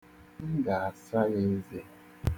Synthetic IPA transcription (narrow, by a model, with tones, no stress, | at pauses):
ŋ̩˦ɡa˨a˨sa˦ɣe˦ze˦